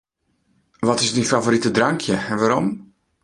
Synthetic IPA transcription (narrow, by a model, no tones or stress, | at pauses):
ʋɔtɪsdinfavoɾitədraŋkʰjəɛʋaɾɔ̰m